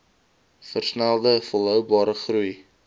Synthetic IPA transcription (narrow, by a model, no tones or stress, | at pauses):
fərsnælˠd̪əfolˠəwbɑɾəχruj